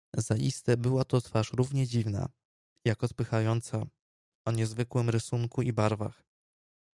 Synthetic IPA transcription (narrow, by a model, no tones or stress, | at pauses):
zaist̪ɛbɘwat̪ɔt̪faʂɾuvɲɛd͡ʑivna̰ | jakɔt̪pɘxajɔnt̪sa | ɔɲɛzvɘkwɘmɾɘsuŋkuibaɾva̰x